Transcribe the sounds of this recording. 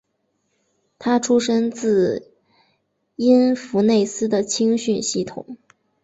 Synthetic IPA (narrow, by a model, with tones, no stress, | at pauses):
t̪ʰa˥ʈ͡ʂʰu˥ʂə˥ŋt͡sɹ̩˥˩ | i˥nfu˧˥ne˥˩ɪsɹ̩˥d̪ə˨t͡ɕʰi˥ŋɕy˥˧nɕi˥˩t̪ʰʊ̰˨˩˦ŋ